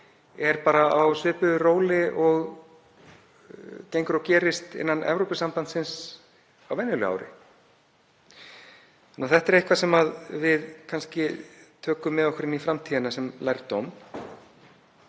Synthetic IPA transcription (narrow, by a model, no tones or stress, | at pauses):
ɛɾpaːɾaawsʏːpʏroːwlɪʔɔɣ | cejŋkʏɾɔcɛːɾɪst̪ɪ̰nːanʔɛ̰vɾowpɪsampant̪sɪns | awvɛnːʏlʏa̰ːwɾɪ̰ | anːaθɛht̪ɛɾejhkvasɛmaðvɪðkʰanscɪt̪ʰœːkʏmːɛðɔhkʏɾɪnifɾamt̪ʰiːðɪnasɛmlajɾt̪ɔm